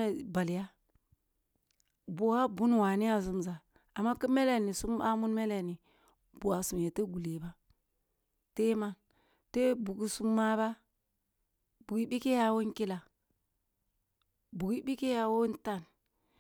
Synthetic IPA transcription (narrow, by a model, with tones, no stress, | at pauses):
e˨ba˨li˨ja˦ | bo˨wa˦bu˦n˨wa˨ni˦ja˦s̬u˦mza˨ | a˨mːa˦ki˦me˦le˨ni˨su˦ma˦mu˦nme˦le˨ni˨ | bu˨wa˨su˨mje˨te˦ɡu˨li˨ba˦ | te˦ma˦n | te˦bu˨ɡi˨˦su˦mːa˦ba˦ | bu˨ɡi˦bi˦ke˦ja˦wo˦nki˦la˨ | bu˨ɡi˦bi˦ke˦ja˦wo˦nta˦˨n